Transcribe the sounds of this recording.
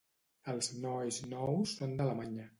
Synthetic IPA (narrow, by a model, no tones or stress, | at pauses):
əlˠznɔjznɔwsːond̪ələmaɲə